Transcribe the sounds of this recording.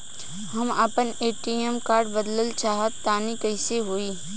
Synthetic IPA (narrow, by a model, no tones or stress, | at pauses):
hɐmapəneːʈiəmkaːɾɖbəd̪ləlt͡ʃaːɦət̪ːaːnikəɪseɦoːiː